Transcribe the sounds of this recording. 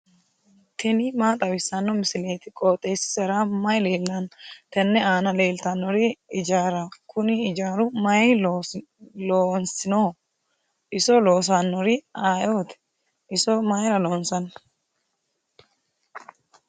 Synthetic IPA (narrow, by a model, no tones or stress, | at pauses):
t̪ʰɛnɪmaːt̪ʼɐwɪsːɐnːɔmɪsɪle̞ːt̪ɪkʼoːt̪ʼːeːsɪ̥sɛɾamɐjleːlːɐnt̪ɛnːɛaːnɐle̞ːlt̪ɐnːɔɾɪɪd͡ʒaːɾɐkʰʊnɪɪd͡ʒaːɾʊmɐj | loːnsɪnoː | ɪsɔlo̞ːs̬anːɔɾɪaːjoːt̪ɛ̥ | ʔɪsɔmɐjɾɐloːnsɐn